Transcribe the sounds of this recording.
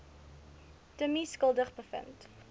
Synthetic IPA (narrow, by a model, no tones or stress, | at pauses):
təmiskəlˠdəχbəfə̰nt